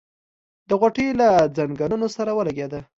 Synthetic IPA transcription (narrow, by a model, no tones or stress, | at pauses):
d̪əɣaʈelad͡zaŋɡaɾnosaɾawəlaɡjad̪a